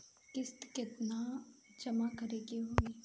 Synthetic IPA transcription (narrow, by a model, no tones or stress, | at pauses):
kɪst̪kɪt̪nad͡ʒəmakəɾeːɡeɦoːeː